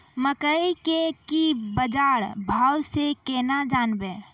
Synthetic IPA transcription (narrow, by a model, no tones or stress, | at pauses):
məkəikekibəd͡ʒaɾbʱawsekɛnad͡ʒanbe